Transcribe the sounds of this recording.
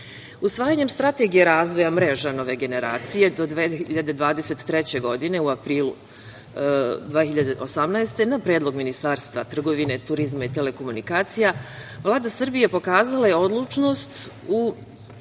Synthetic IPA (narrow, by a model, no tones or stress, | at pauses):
usʋaːjaɲe̞mst̪ɾat̪e̞ɡijeɾaːzʋo̞jamɾe̞ʒano̞ʋe̞ɡe̞ne̞ɾa̰ːt̪sije̞d̪o̞d̪ʋeiʎad̪ed̪ʋaːd̪ese̞t̪ːɾet͡ɕe̞ɡo̞d̪ine̞uapɾiːlṵ | d̪ʋeçiʎad̪eʔo̞samnaest̪e̞napɾeːd̪lˠo̞ɡminist̪aːɾst̪ʋat̪r̩ɡo̞ʋine̞t̪uɾizmait̪e̞le̞ko̞munikaːt̪sijaʋlˠaːd̪asr̩bije̞po̞kaːzalajeo̞d̪lˠut͡ʃno̞ːst̪u